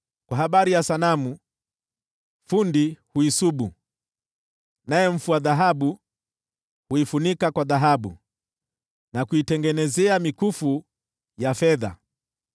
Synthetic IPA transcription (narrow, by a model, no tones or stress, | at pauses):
kwaɦaɓaɾijasanamu | fundihuisuɓu | najɛm̩fuaðaɦaɓu | huifunikakwaðaɦaɓṵ | nakuitɛŋɡɛnɛzɛamikufu | jafɛða̰